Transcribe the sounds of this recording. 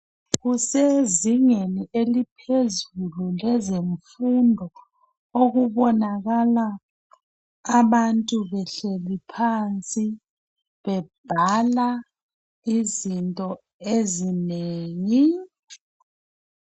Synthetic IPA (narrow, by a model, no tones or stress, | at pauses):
ɣuseziŋeniʔelipʰezululɛzeɱfundʱɔ | oɣuβɔnaɣala | βantʼuβɛɬelipʰant͡sʼi | βɛb̥ʱala | izintʼɔ | ezineːŋi